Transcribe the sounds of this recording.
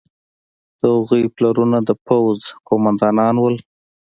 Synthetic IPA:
d̪̥əhʊɣəjplaɾunad̪əpawzkomand̪ɑnɑnwəl

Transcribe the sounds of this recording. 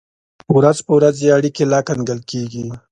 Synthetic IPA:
wɾazpəwɾazeaɽikelɑkanɡəlkeɡi

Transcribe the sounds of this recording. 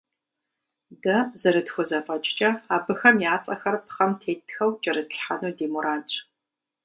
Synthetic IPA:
dɐzɐɾɨtxʷɔzɐfɐt͡ʃʼt͡ʃʼɐaːbɨxɐmjaːt͡sʼɐxɐrpχɐmtʰeːtʰxɐwt͡ʃʼɐrɨtɬħanuːdeːmuɾʔaːt͡ʃʼ

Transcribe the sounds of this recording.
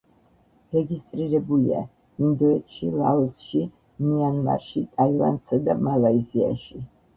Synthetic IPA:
ɾɛɡist̪ʼɾiɾɛbulḭa̰ | ind̪ɔɛt̪ʰʃilˠaɔsʃi | nianma̰ɾʃit̪ʼaila̰nt̪sad̪amalaizia̰ʃi

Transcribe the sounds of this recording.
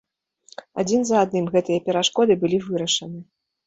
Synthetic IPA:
a̰d͡zʲinzɐad̪nɨmɣɛt̪ɨjɐpʲɛɾaʂkɔd̪ɨbɨlʲivɨɾɐʂɐnɨ

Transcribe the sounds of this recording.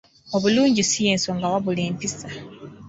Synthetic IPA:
o̞βuluːɲɟisijeːnso̞ŋɡawaβuleːmpisa

